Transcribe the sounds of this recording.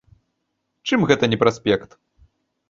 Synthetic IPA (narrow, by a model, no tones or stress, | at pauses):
t͡ʂɨmɣɛt̪ɐnʲɛpɾasʲpʲɛkt̪